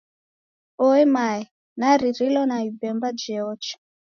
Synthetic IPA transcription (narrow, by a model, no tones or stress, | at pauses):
ɔɛmaɛ | naɾiɾilɔnaibɛmbad͡ʒɛɔt͡ʃi̥